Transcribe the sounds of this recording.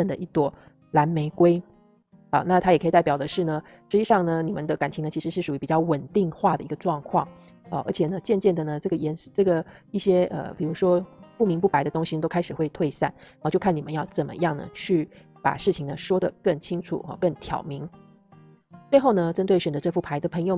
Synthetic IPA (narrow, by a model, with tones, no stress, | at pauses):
ə˥˩nd̪ə˩ʔi˥˩t̪wɔ˥˩ | la˧˥nme˧˥ɪkwe˥ɪ | ɐ̰˧˩na˥˩t̪ʰa˥jɛ˨˩kʰə˧˥i˨˩t̪a˥˩pjɑ˨˩d̪ə˦ʂɻ̩˥˩nə˩ | ʂɻ̩˧˥t͡ɕi˧ʂɑ˥˩ŋnə˩ni˨˩mə̰˦nd̪ə˦ka˨˩nt͡ɕʰi˧˥ŋnə˧t͡ɕʰi˧˥ʂɻ̩˧˥ʂɻ̩˥˩ʂu˨˩y˧˥pi˨˩t͡ɕjɑ˥˩ʊwə˨˩nt̪i˥˧ŋxwa˥˩d̪ə˩i˧˥ɡə˧ʈ͡ʂwɑ˥˧ŋkʰwɑ˥˩ŋ | ə˧˩ʔə̰˞˧˥t͡ɕʰjɛ˨˩nə˦t͡ɕjɛ˥˧nt͡ɕjɛ˥˩nd̪ə˩nə˩ʈ͡ʂɤ˥˩ɡə˩jɛ˧˥n˥˩ʈ͡ʂɤ˥˩ɡə˩i˥˩ɕjɛ˥ə̰˩pi˨˩ɻu˧˥ʂwɔ˥pu˥˩mi˧˥ŋpu˥˩pa˧˥ɪd̪ə˧t̪ʊ˥ŋɕi˨˩nə˧t̪o˥ʊkʰa˥ɪʂɻ̩˨˩xwe˥˧ɪt̪ʰwe˥˧ɪsa˥˩na˧˥˧t͡ɕjo˥˧ʊkʰni˨˩mə˦jɑ˥˩ʊt͡sə˨˩nmə̰˦jɑ˥˩ŋnə̰˩t͡ɕʰy˥˩ | pa̰˨˩ʂɻ̩˥˩t͡ɕʰi˨˩ŋnə˦ʂwɔ˥d̪ə˨kə˥˩ŋt͡ɕʰi˥ŋʈ͡ʂʰṵ˨˩ɐ̰˧˩kə˥˩ŋt̪ʰjɑ̰˨˩ʊmi˧˥˦ŋ | t͡swe˥˧ɪxo˥˩ʊnə˩˧ʈ͡ʂə˥nt̪we˥˩ɪɕɥɛ˨˩nd͡zə˧ʈ͡ʂɤ˥˧fu˥˩pʰa˧˥ɪd̪ə˧pʰɤ˧˥ŋjo˧ʊ